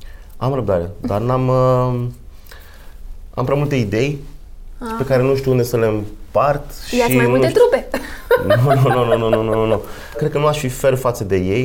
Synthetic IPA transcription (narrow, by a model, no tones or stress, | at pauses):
amɾəb̚d̪aɾed̪arnamə | a̰mpɾʲamult̪eid̪e̞j | pe̞kaɾe̞nuʃt̪iuund̪e̞səle̞mpart̪ʃaiimunut̪et̪ɾupenunuununununununu | kɾed̪̚kənuaʃfife̞rfat̪səd̪e̞je̞j